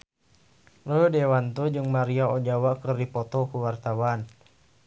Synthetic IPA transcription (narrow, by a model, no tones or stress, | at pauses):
lɔjɔdɛwant̪ud͡ʒɨŋmaɾiaɔd͡ʒawakərdipɔt̪ɔkuwart̪awan